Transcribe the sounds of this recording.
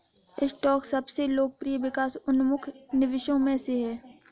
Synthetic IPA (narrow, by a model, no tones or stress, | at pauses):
ɪsʈɔːksɐbseloːk̚pɾijəʋɪkaːsʊnmʊkʰnɪʋɪʃõmẽseɦɛː